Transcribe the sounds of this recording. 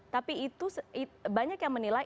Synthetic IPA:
t̪apiːt̪usibaɲakjaŋmənila

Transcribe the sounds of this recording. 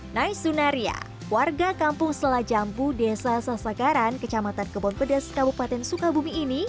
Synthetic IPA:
najsunaɾia̰ | warɡakampʊŋsət̪əlahd͡ʒampudesasasakaɾankət͡ʃamat̪ankəbɔnpədɛskabupat̪ɛnsukabumiːni

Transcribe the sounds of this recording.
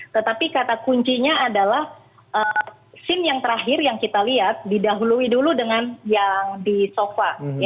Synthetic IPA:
t̪ət̪apikat̪akuɲt͡ʃiɲaːdalah | ʔə | sɪnjaŋt̪əɾaɦɪrjaŋkit̪aliat̪̚didaɦuluiduludəŋanjaŋdisofa

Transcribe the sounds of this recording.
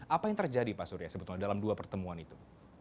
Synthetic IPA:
ʔapajaŋt̪ərd͡ʒadipasuɾjasəbut̪ladalamduapərt̪əmuanit̪u

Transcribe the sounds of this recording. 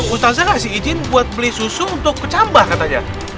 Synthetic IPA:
ŋust̪azaŋasiid͡ʒɪnbuat̪̚bəlɪhsusuunt̪ʊk̚pət͡ʃambahkat̪aɲa̰

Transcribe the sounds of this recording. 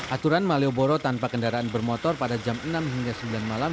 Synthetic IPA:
ʔat̪uɾanmalioboɾot̪anpakəndaɾaanbərmɔt̪ɔrpadad͡ʒamənamɦiŋɡasəmbilanmalam

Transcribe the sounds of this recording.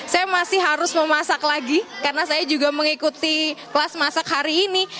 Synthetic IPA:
sajamasɪhɦaɾʊsməmasaklaɡikarənasajad͡ʒuɡaməŋikut̪iklasmasakhaɾiːni

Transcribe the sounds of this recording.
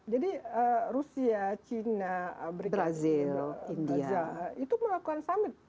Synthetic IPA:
d͡ʒadiərusiat͡ʃinaəbəɾibɾazilindiajait̪uməlakuansamɪt̪̚

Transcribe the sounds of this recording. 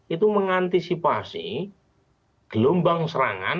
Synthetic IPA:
it̪uməŋant̪isipasḭ | ɡ̥əlombaŋsəɾa̰ŋa̰n

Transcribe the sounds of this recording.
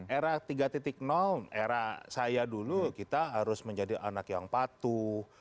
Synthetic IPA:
ʔeɾaht̪iɡat̪it̪ɪk̚nɔleɾahsajadulukit̪aɦaɾʊsməɲd͡ʒadiʔa̰nakjaŋpat̪u

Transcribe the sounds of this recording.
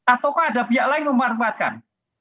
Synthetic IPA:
at̪awkaada̤bijaʔlaɪŋməmaɾkat̪̚ka̰n

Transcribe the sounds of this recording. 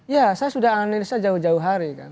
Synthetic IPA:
jasajasudahaanilisaad͡ʒauhd͡ʒauɦaɾika̰n

